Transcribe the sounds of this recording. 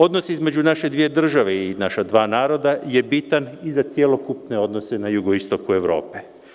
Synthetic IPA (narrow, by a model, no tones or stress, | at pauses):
o̞d̪no̞sizme̞d͡ʒunaʃe̞d̪ʋije̞d̪r̩ʒaʋeinaʃad̪ʋaːnaːɾo̞d̪aje̞bit̪anizat̪sjelo̞kupne̞o̞d̪no̞se̞najuɡoist̪o̞kue̞ʋɾo̞̰ːpe